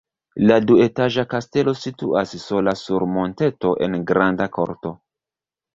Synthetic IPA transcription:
ladue̞taʒakaste̞lo̞sitṵʔasso̞lasuɾmo̞nte̞to̞ʔe̞̰nɡɾandako̞̰ɾto̞

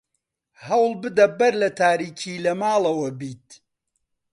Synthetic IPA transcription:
hɐwlˠbɨd̪ɐbɐɾlɐt̪ʰaːɾiːcʰiːlɐmaːlˠɐwɐbiːt̪̚

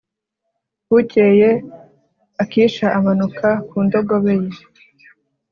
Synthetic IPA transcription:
huceje | akiːʃaʔamanukʰakuːndo̞ɡo̞βeje

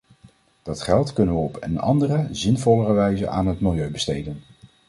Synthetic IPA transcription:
d̥ɑtχɛlˠtkɵnənʋəɔpənɑ̰ndərəzɪnvɔlərəʋɛjzə̰ʔa̰ːnɦətmɪlˠjøɥbəstejdən

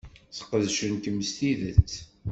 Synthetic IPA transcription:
θə̥qəðʃənt̪əmːst̪iðət͡sː

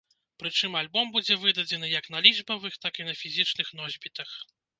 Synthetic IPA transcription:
pɾɨt͡ʂɨmalʲbɔmbud͡zʲɛvɨd̪ɐd͡zʲɛnɨjɐknɐlʲiʐbɐvɨxt̪akinɐfʲizʲit͡ʂnɨxnɔzʲbʲit̪ɐx

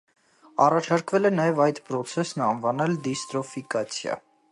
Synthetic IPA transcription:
ɑrɑt͡ʃʰɑɾkvɛlɛnɑjɛvɑjt̪pɾɔt͡sʰɛsnɑnvɑnɛld̪ist̪ɾɔfikɑt͡sʰjɑ̰

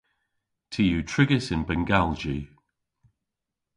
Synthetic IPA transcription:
tʰijutʰɹ̥ɪɡəsɪ̃nbɛŋɡalˠd͡ʒi

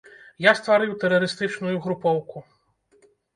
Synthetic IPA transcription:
jast̪vaɾɨwt̪ɛɾɐɾɨst̪ɨt͡ʂnujuɣɾupɔwku

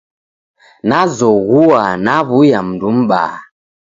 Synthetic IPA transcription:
nazɔɣuanaβujam̩dum̩ɓa̰

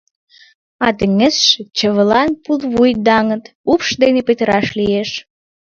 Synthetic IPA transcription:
ɑt̪ə̆ŋĕsʃet͡ɕəβəlɑnpulβujd̪ɑŋət̪ | upʃd̪enepet̪əɾɑʃlieʃ

